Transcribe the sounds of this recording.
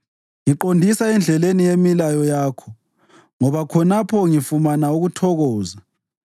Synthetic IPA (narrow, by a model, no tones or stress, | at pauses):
ŋiǃondʱisaɛnd͡ɮʱɛlenijemilajɔjaːkʰɔ | ŋɔβakʰɔnapʰɔŋifumanauɣutʰɔɣɔːza